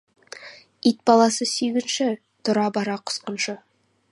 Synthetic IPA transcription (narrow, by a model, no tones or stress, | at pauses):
it̪̚bɑlˠɑsəsyjɡʲɪnʃɪ | t̪ʰʊɾɑbɑɾɑqʰʊ̥sqə̆nʃə